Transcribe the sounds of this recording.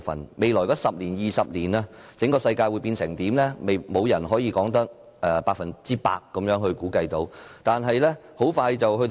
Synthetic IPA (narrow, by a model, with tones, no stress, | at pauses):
fɐ̰˨˩nme˨jlɔː˨˩jkɔː˧˥sɐ˨p̚liː˨˩njiː˨sɐ˨p̚liː˨˩naː˧t͡sɪ˨˥ŋkɔː˧sɐ˧jkaː˧jwu˨˧jpiː˧nsɪ˨˩ŋt̪iː˨˥mlɛː˥me˨jmo˨˧wjɐ˨˩nɦɔː˨˥jiː˧kɔː˨˥ŋt̪ɐ˥k̚ | ʔɛː˨˧paː˧k̚fɐ˨nt͡siː˥pa̰ː˧k̚ːɐ˨˧mjœː˨˥ŋhɵ˧ɥkuː˨˥kɐ˧jt̪o˨˥wt̪aː˨nɦɐ˨jlɛː˥ho˨˥wfaː˧jt͡sɐ˨whɵ˧t